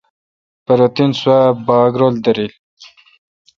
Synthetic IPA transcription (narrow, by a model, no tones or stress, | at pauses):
pəɾot̪inswabɑaɡɾold̪əɾil